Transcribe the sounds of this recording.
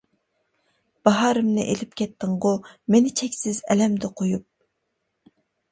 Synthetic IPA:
b̥ɑɦɑːɾɨmnɪ̰ʔelɪpkʲɛt̪ʰːɪŋʁʊmenɪt͡ʃʰɛkʲsɪzɛlɛmd̪ɪqʰojup̚

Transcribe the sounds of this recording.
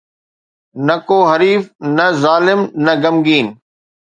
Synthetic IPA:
nɐkoːɦɐɾiːfnɐzaːlɪmnɐɡɐmɡiːn

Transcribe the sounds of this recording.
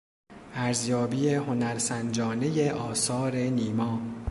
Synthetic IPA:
ʔæɾzjɒːbiːjeho̞næɾsænd͡ʒɒːne̞jeʔɒːsɒːɾe̞niːmɒː

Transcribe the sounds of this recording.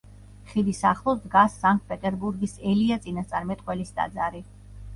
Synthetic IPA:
χid̪isaχlˠɔsd̪ɡasːaŋk̚t̪̚pʼɛt̪ʼɛɾbuɾɡisɛliat̪sʼinast̪sʼaɾmɛt̪ʼqʼwɛlisd̪a̰d̪zaɾi

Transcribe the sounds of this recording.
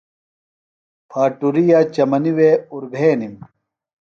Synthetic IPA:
pʰaːʈuɾijaːt͡ɕɐmɐniweuɾɡʱeːnim

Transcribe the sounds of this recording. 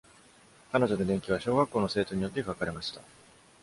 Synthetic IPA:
kano̞ʑo̞d̪o̞d̪ẽ̞ŋkʲiβ̞aɕo̞ːɡakːo̞ːno̞se̞ːt̪o̞ɲ̟ijo̞t̪ːekakaɾe̞maɕi̥t̪a̰

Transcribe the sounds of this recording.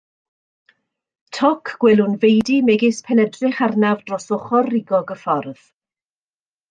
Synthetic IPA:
tʰɔkʰɡ̥wɛlˠʊnvejdimɛɡɪspʰɛnɛdrɪχarnavdrɔsɔχɔrːɪɡɔɡəfɔrð̥

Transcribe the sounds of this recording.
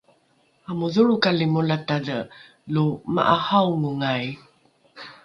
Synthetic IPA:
amuðuɭukalimulatadə | luma̰ʔahawŋuŋaj

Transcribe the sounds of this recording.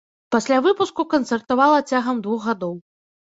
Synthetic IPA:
pasʲlʲavɨpuskukɐnt̪sɐrt̪avalˠɐt͡sʲaɣɐmd̪vuxɣad̪ɔw

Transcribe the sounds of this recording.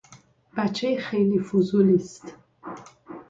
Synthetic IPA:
b̥æt͡ʃʰːejxejliːfuzulist̪

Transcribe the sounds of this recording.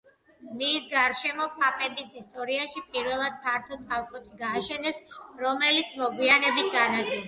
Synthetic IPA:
misɡaɾʃɛmɔpʰʼapʼɛbisist̪ʼɔɾiaʃipʼiɾvɛlˠad̪̥̚pʰaɾt̪ʰɔt̪sʼalˠkʼɔt̪ʼiɡaːʃɛnɛsɾɔmɛlit̪sʰmɔɡwianɛbit̪̚ʰɡanaɡɛ

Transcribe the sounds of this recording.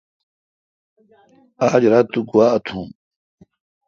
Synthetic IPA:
aːd͡ʑɾat̪uɡuwaːɐt̪ʰũː

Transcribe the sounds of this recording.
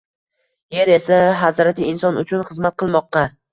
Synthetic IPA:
jeɾe̞saɦazɾat̪ʰɪːnsɒnʊt͡ʃʰʊnχɨzmat̪̚qʰɨlˠmɒqːɑ

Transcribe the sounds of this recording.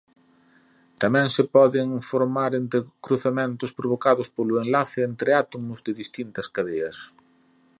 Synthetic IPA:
t̪amɛ̃ŋsɪpɔðɪŋfoɾmaɾent̪ɾɪkɾuθamẽnt̪ʊspɾoβ̞okaðʊspolʊenlaθɪent̪ɾeat̪omʊzðɪðist̪int̪ɐskaðeɐs

